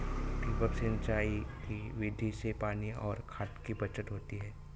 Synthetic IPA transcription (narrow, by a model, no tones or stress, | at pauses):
p̪iːbəpsent͡ʃaːikiʋɪɖ̪ʱisepaːniɔːɾkʰaːt̪kibɐt͡ʃət̪ɦoːt̪iɦɛː